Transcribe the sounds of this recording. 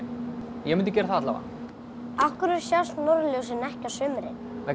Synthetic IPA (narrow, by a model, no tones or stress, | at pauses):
jɛmɪnt̪ʏcɛɾaθat̪la̰va̰ | afkʏɾʏɾ̥sjast̪nɔɾljows̬ɪnɛhcasʏːmɪɾɪ̰ | ɛ